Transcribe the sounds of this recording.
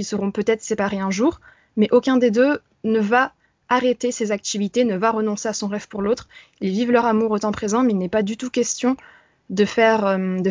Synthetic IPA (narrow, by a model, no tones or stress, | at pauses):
ilsəʁɔ̃pøt̪ɛt̪χsepaʁeɛ̃ʒuːʁ | mɛʔokʲɛ̃d̪ed̪ø | nəva | aʁet̪esezak̚t̪ivit̪enəvaʁənɔ̃seasɔ̃ʁɛv̥puʁlot̪χ | ilvivlœʁamuʁot̪ɑ̃pχezɑ̃mɛilnɛpad̪yt̪ukʲɛst̪jɔ̃ | d̪əfɛʁømd̪ə